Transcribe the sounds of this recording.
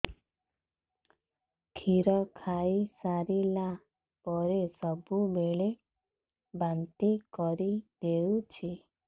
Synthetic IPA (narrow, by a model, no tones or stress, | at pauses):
kʰiɾɔkʰaisaɾila | pɔɾesɔbumeɭe | bant̪ikɔɾid̪eut͡ʃʰi